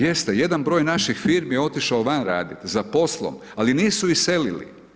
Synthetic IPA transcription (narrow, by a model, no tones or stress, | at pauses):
je̞st̪eje̞d̪anbɾo̞ːjnaʃixfiːɾmjeo̞t̪iʃaoʋanɾa̰ːd̪it̪zapo̞slˠo̰m | aliniːsuise̞lilḭ